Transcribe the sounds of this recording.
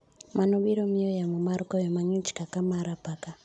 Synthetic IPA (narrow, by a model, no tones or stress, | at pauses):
manoɓiɾomiojamumaɾukojemaɲit͡ʃi̥kakamaɾapaka